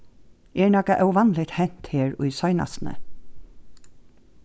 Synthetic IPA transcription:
ɛːɹnɔkaʔœwʋɑnlɪt̪hɛn̥t̪heːɹʊ̰jsɔʏna̰snə̰

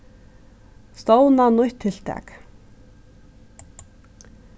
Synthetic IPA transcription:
st̪ɔwnanʊjht̪ʰːeɬt̪æ̰ːk

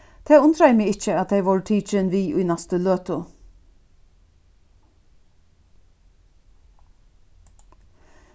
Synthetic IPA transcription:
t̪ʰeːʊnt̪ʰɾɑɪmɪːɡɪt͡ʃəɑt̪̚d̪eɪʋɔːɹʈ̪ʰiːt͡ʃənʋiːʔṵɪnɑst̪əløːt̪ʊ

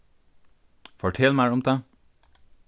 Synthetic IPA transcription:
fɔʈʰeːlmæɪʊmd̪eː

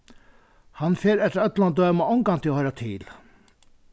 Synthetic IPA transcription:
hɑnfeːɾɛt̪ɾɑœt̪lɑnd̪øːmɑɔŋɡɑnt̪ʰɪlohœʏɾɑt̪ʰɪl

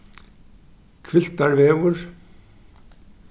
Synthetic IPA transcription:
kʰvɪl̥t̪aɾvɛːɣʏɾ̥

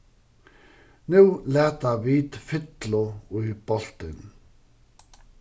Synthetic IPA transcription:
nʉːlæːt̪aʋiːt̪fɪt̪lʊub̥ɔlt̪ɪn

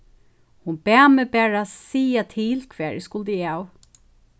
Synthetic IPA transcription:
hʊnb̥æːmɛbæːɹasiːat̪ʰɪlkʰv̥ɛːɹʔɪskʊld̪əaw

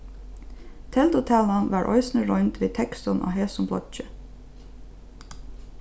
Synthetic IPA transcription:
t̪ʰɛld̪ʊt̪ʰæːlɑnʋɑːɹʔɔ̰ʏsn̩əɹɔʏnt̪ʋiːt̪ʰɛkst̪ʊnʔo̰ːɦeːsʊmbʰlɔ̰t͡ʃə

